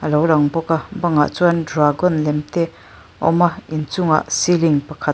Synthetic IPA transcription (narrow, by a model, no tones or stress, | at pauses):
ɐlɔwɾaŋbɔkabaŋa̰ʔt͡swandɾaɡɔnlɛmt̪e | ɔ̰maint͡suŋa̰ʔsiliŋpakʰa